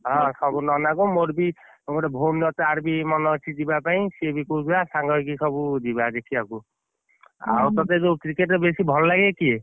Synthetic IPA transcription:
ɦɔ̃sɔbunɔnaɡumoɾbi | muɾebʱomlɔt̪eaɾbimɔnɔt͡ʃʰid͡ʒibapaĩsiebikobasaŋɡʱɔkisɔbud͡ʒibad̪ekʰiaku | a̰wt̪at̪ezokɾikeʈɔbesibʱɔllaɡɛkie

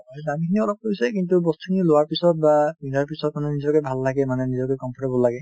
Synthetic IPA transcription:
aiamikʰiniɔlɔp̚koisɛkintubɔstu̥kʰinilowaɹpisɔt̚babidaɹpisɔt̚manɛnizɔkɛbʱalːaɡɛmanɛnizɔkɛkɔmpʰɔʈebɔlːaɡɛ

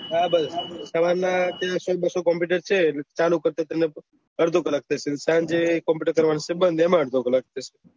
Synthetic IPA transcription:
abəssəʋaɾnãt̪jãsobəsokɔmp̬iʈ̬əɾt͡ʃʰet͡ʃalukəɾt̪at̪ene | əɾd̪ʱokələk̚t̪ʰat͡ʃʰesãd͡ʒekɔmpuʈəɾkəɾʋanot͡ʃʰebənd̪emãəɾd̪ʱokələk̚t̪ʰət͡ʃʰe̥

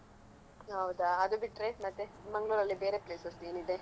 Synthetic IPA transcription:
ɦɐwd̪aɐd̪ubiʈːɾemɐt̪ːe̞mɐŋɡɭuɾɐlːibe̞ːɾe̞pleːsese̞ːnid̪e̞

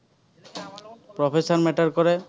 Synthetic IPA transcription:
pɾɔpʰesɔɾmeʈɔɾkɔɾe

